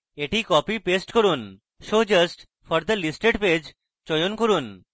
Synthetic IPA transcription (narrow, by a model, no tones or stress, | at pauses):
eʈikɔpipesʈkoɾun | ʃod͡ʑɐsʈ | fɔɾd̪əlisʈeɖped͡ʑ | t͡ɕɔjonkoɾun